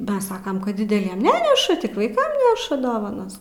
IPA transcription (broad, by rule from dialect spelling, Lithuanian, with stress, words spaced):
bɐˈsɑːkɐm kɐt dʲɪdʲɛˈlʲiɛm ˈnʲæːnʲɛʃɐ tʲɪk ʋɐɪˈkɐm ˈnʲæːʃɐ ˈdoːʋɐnɐs